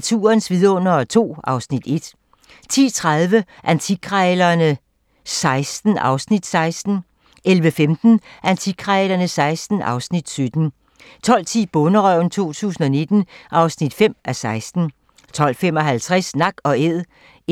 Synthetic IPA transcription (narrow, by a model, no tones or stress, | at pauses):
t͡sʰṵːɐnsʋiðˠɔ̽n̰ɐt͡sʰo̝̰ːʔɑ̈ʊsnid̥e̝d̥ | t͡sʰḭːt͡sʰʁaðˠʋə | ʔænt͡sʰiɡʰʁɛlɐnə | sɑ̈ɪsd̥n̩ʔɑ̈ʊsnid̥sɑ̈ɪsd̥n̩ | ʔelʋəfemd̥n̩ʔænt͡sʰiɡ̥ʰʁɛlɐnəsɑ̈ɪsd̥n̩ʔɑ̈ʊsnid̥sød̥n̩ | t͡sʰɒ̽l̰t͡sʰḭːb̥ɔnəʁœʊ̰n̩t͡sʰo̝̰ːt͡sʰṵːsn̩ɒ̽ne̝d̥n̩ʔɑ̈ʊsnid̥fem̰æsɑ̈ɪsd̥n̩ | t͡sʰɒ̽l̰fem̰ɒ̽ɦælt͡sʰʁasnɑ̈ɡ̥ɒ̽eð̰ˠ